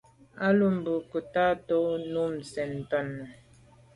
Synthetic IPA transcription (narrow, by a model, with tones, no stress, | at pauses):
a˦lu˦m̩˨bu˨ku˨ta˦to˦nu˦m̩˨sɛ˨n˨tɔ˦˨nːə˨